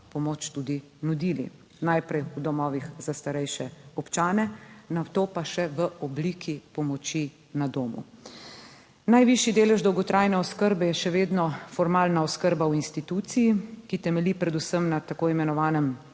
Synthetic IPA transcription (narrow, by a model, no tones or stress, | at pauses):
pɔmoːt͡ʃt̪ud̪i | nud̪iːlḭ | najpɾɛjud̪ɔmɔːʋixzast̪aɾɛjʃɛɔpt͡ʃaːnɛnat̪oːpaʃɛʋəʔɔblikʰipɔmɔt͡ʃi | nad̪oːmṵ | najʋiʃjid̪eːlɛʒd̪ɔwɡɔt̪ɾaːjnɛɔskəɾbɛjɛʃɛʋeːd̪nɔfɔɾmaːlnaɔskəɾbawinst̪it̪ut̪sijikit̪ɛmɛlipɾɛd̪usəmnat̪akoːimɛnɔʋaːnɛm